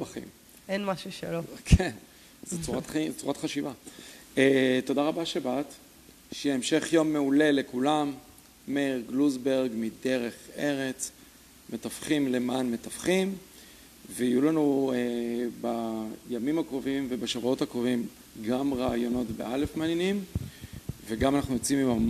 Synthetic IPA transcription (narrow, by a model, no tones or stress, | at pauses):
baχḭm | enmaʃuʃelokʰen | zet͡suʁat̪χt͡suʁat̪χaʃivaet̪o̞daʁabaʃebat̪ | ʃeemʃe̞χjo̞mːe̞ule̞le̞kulamː | eʁɡluzbe̞ʁɡmide̞ʁe̞χe̞ʁe̞t͡s | me̞tafχimle̞manme̞tafχim | veijulanuebajamimhakʁo̞vimvebaʃavuo̞thakʁovim | ɡamʁaːjo̞no̞tbḛʔalefmeaːnjenim | veɡamanaχnujo̞t͡simimam